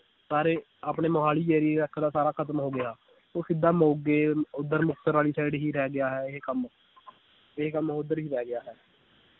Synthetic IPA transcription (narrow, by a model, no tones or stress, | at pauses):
saːɾeː | aːpɳeːmoɦaːliːd͡ʒɛːɾiːəkʰd̪aːsaːɾaːkʰət̪mɦoːɡɪjaː | oːsɪd̪aːmoːɡeːʊd̪əɾmʊkʰt̪əɾaːliːsɛːɽiːɦiːɾɛːɡɪjaːɦɛːɦkəm | ɪɦekəmʊd̪əɾɦiːɾɛːɡɪjaːɦɛː